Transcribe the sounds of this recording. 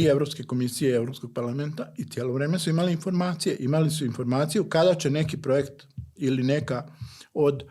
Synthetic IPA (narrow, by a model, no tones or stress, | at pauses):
ie̞ʋɾo̞pske̞ko̞misijeie̞ʋɾo̞psko̞ɡ̚paɾlame̞nt̪ait̪je̞ːlo̞ʋɾe̞ːme̞suimaliːnfo̞ɾmaːt̪sije̞ʔimalisuinfo̞ɾmaːt̪sijukad̪at͡ɕe̞ne̞kipɾo̞je̞kt̪ | iline̞kao̞d̪